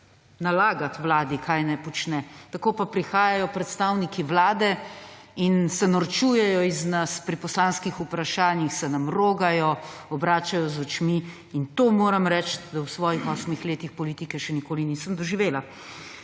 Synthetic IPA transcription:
nalaːɡat̪ʋlaːd̪ikʰaːjnɛpɔt͡ʃnɛt̪akoːpapɾixaːjajɔpɾɛt̪st̪aːwnikiʋlaːd̪ɛ | insɛnɔɾt͡ʃuːjɛjɔiznaspɾipɔslaːnskixupɾaʃaːnjixsɛnɐmɾoːɡajɔɔbɾaːt͡ʃajɔzɔt͡ʃmi | int̪oːmoːɾɐmɾɛt͡ʃtd̪awsʋɔːjixɔsmixleːt̪ixpɔliːt̪ikɛʃɛnikoːliniːsəmd̪ɔʒiʋeːla

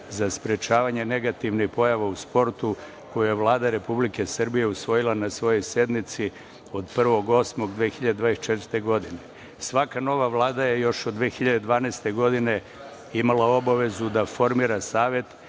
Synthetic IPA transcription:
zaspɾet͡ʃaːʋaɲe̞ne̞ɡat̪iʋnixpo̞jaʋauspo̞ɾt̪u | ko̞jujeʋlˠaːd̪aɾe̞publike̞sr̩bije̞usʋo̞jilˠanasʋo̞jo̞jsje̞d̪mit̪si | o̞d̪pr̩ʋo̞ɡo̞smo̞ɡd̪ʋeːxiʎad̪ed̪ʋaːest͡ʃet̪vɾɾt̪e̞ɡo̞d̪ine | sʋakano̞ʋaʋlˠaːd̪aje̞jo̞ʃod̪dːʋeːxiʎad̪ed̪ʋaːnest̪e̞ɡo̞d̪ine̞ | imalˠao̞baʋe̞zud̪afo̞ɾmiːɾasaːʋje̞t̪

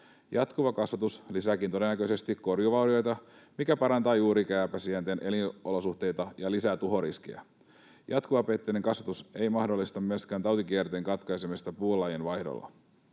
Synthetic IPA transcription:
jɑt̪kuʋɑkɑsʋɑt̪uslisækint̪o̞de̞nːækøjse̞st̪ikko̞rjuʋɑwɾio̞jt̪ɑmikæpɑɾɑnt̪ɑːjuːɾikæːpæsiænt̪enʔe̞linolo̞suht̪e̞jt̪ɑjɑlisæt̪uɦo̞ɾisk̟iæ̰ | jɑt̪kuʋɑpe̞t̪ːene̞ŋkɑsʋɑt̪use̞jmɑhdo̞lːist̪ɑmːøskæːnt̪ɑwt̪ikiært̪e̞ːŋkɑt̪kɑjsemist̪ɑpuːlːɑjenʋɑjhdo̰lːɑ̰

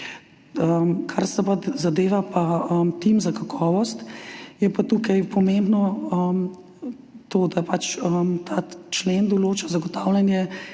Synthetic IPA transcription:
əmkʰaɾsɛpat̪zad̪eːʋapaəmt̪imzakakʰɔːʋɔst̪jɛpat̪ukajpɔmẽmbnɔəm | t̪oːd̪apat͡ʃəmt̪ʰaːt͡ʃlend̪ɔloːt͡ʃazaɡɔt̪aːwlʲanjɛ

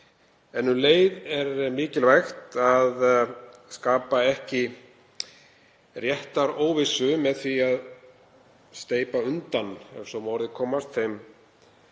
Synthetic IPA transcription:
ɛnːʏleːjðɛɾmɪːcɪlvajxt̪að | skaːpaɛhcɪ | rjɛht̪aɾoːwvɪsʏmɛðθiað | st̪eːjpaʏnt̪anɛ̥sɔmɔwɾðɪkʰɔːmast̪θejm

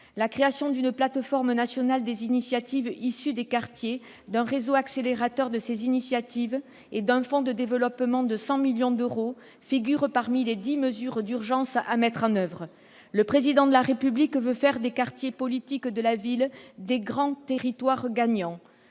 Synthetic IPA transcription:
lakχeasjɔ̃d̪ynplat̪fɔʁmnasjɔnald̪ezinisjat̪ivisyd̪ekaʁt̪je | d̪ɛ̃ʁezoakseleʁat̪œʁd̪əsezinisjat̪iv | ed̪ɛ̃fɔ̃d̪əd̪evəlɔpmɑ̃d̪əsɑ̃miljɔ̃d̪øʁo | fiɡʲyʁpaʁmiled̪iməzyʁd̪yʁʒɑ̃samɛt̪χɑ̃nœvʁə | ləpχezid̪ɑ̃d̪əlaʁepyblikvøfɛʁd̪ekaʁt̪jepɔlit̪ikd̪əlavild̪eɡʁɑ̃t̪eʁit̪waʁɡaɲɑ̃

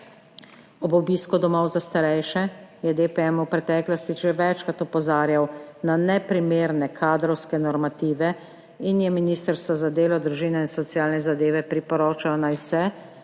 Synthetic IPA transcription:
ɔbɔbiskud̪ɔmɔwzast̪aɾɛjʃɛjɛd̪epɛɛmuwpɾɛt̪ɛːklɔst̪iʒɛʋɛt͡ʃkat̪ɔpɔzaːɾjawnanɛpɾimeːɾnɛkʰaːd̪ɾɔwskɛnɔɾmat̪iːʋɛ | injɛminiːst̪əɾst̪ʋɔzad̪eːlɔd̪ɾuʒiːnɛinsɔt̪sijaːlnɛzad̪eːʋɛpɾipɔɾoːt͡ʃawnawsɛ

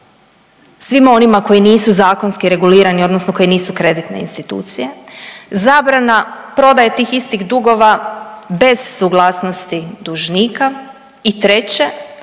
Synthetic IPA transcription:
sʋimo̞nimako̞iniːsuzaːko̞nskiɾe̞ɡuliːɾanio̞d̪nosnoko̞jiniːsukɾe̞d̪it̪ne̞̰ḭnst̪it̪ṵːt̪sije̞zaːbɾanapɾo̞d̪ajet̪iːxist̪iɣd̪uɡo̞ʋabe̞z̥ːuɡlˠaːsno̞st̪id̪uʒniːka | it̪ɾe̞t͡ɕe̞

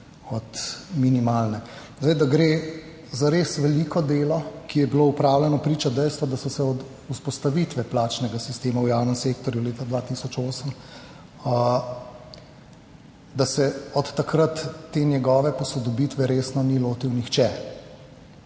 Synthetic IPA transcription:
ɔt̪minimaːlnɛ | zdajd̪aɡɾeː | zaɾesʋɛlikɔd̪eːlɔkijɛbiloupɾaːwlʲɛnɔpɾiːt͡ʃad̪ɛjst̪ʋɔd̪asɔsɛɔd̪ | uspɔst̪aʋit̪ʋɛplaːt͡ʃnɛɡasist̪eːmawjawnəmseːkt̪ɔɾjuleːt̪ad̪ʋaːt̪isɔt͡ʃoːsəm | d̪asɛɔt̪ːakɾat̪ːenjɛɡɔːʋɛpɔsɔd̪ɔbit̪ʋɛɾeːsnɔniloːt̪iwnixt͡ʃɛ

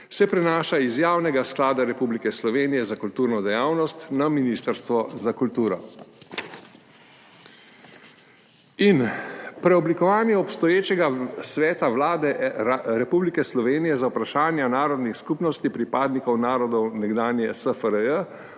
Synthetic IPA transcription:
sɛpɾɛnaːʃaizjaːwnɛɡasklaːd̪aɾɛpublikɛslɔʋeːnijɛzakult̪uːɾnɔd̪ɛjaːwnɔst̪naminiːst̪əɾst̪ʋɔzakult̪uːɾɔ | inpɾɛɔblikɔʋaːnjɛɔpst̪ɔjeːt͡ʃɛɡasʋɛːt̪aʋlaːd̪ɛɾɛpublikɛslɔʋeːnijɛzawpɾaʃaːnjanaːɾɔd̪nixskupnɔst̪ipɾipaːd̪nikɔwnaːɾɔd̪ɔwnɛɡd̪aːnjɛsəfəɾəjə

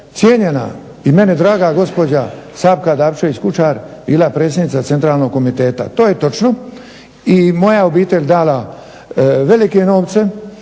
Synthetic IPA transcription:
t̪sjeɲena̰ | ime̞ned̪ɾaːɡaɡo̞spo̞d͡ʑasaːbkad̪aːʋʃeʋit͡ɕkut͡ʃaːɾbiːlapɾe̞ːsjed̪nit̪sat̪e̞nt̪ɾaːlno̞ɡ̚ko̞mit̪e̞ːt̪a̰t̪oːjet̪o̞t͡ʃno | imo̞jao̞biːt̪e̞ʎʲd̪aːla | ʋe̞like̞no̞ːʋt̪se̞

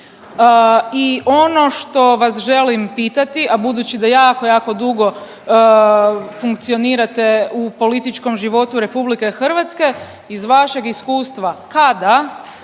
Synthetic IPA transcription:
iʔo̞no̞ʃt̪o̞ʋasʒe̞limpiːt̪at̪iʔabud̪uːt͡ɕid̪ajaːkojaːko̞d̪uɡo̞ | fuŋkt̪sio̞niːɾat̪e̞upo̞lit̪it͡ʃko̞mʒiʋo̞t̪uɾe̞publike̞xr̩ʋat̪ske̞ | izʋaʃe̞ɡiskuːst̪ʋakad̪a

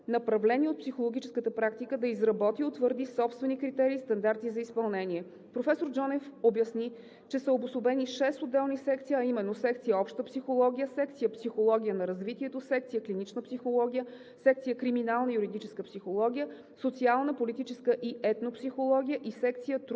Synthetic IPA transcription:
nɐpɾɐvlɛniot̪̚psixolˠoɡʲit͡ʃɛskət̪əpɾakt̪ikəd̪ɐizɾɐbɔt̪iot̪vəɾd̪isɔpst̪vɛnikɾit̪ɛɾiːst̪ɐnd̪aɾt̪izɐispɐlˠnɛniɛ | pɾofɛsoɾd͡ʒɔnɛfobjɐsni | t͡ʃɛsəobʊsobɛniʃɛst̪od̪ːɛlˠnisɛkt̪sijəɐimɛnːosɛkt̪sijəɔpʃt̪əpsixolˠɔɡʲijəsɛkt̪sijəpsixolˠɔɡʲijənɐɾɐzvit̪iɛt̪osɛk̚t̪sijəklinit͡ʃnəpsixolˠɔɡ̟ʲijə | sɛk̚t̪sijəkɾiminalˠnəijuɾid̪it͡ʃɛskəpsixolˠɔɡ̟ʲijə | sot̪sialˠnəpolit̪it͡ʃɛskəʔiʔɛt̪nopsixolˠɔɡ̟ʲijəʔisɛk̚t̪sijət̪

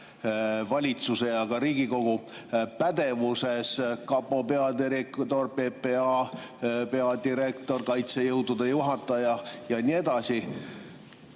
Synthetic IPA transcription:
vɑlʲit̪suse̞jɑkɑɾiːɡ̥iko̞ɡ̥u | pæd̪̥e̞vuse̞skɑpːˑo̞pe̞ɑd̪iɾekt̪o̞rpe̞pe̞ɑ | pe̞ɑd̪iɾe̞kt̪o̞rkɑjt̪se̞jɤwd̪ud̪̥ejuɦɑt̪ːˑɑjɑjɑnie̞d̪̥ɑsi

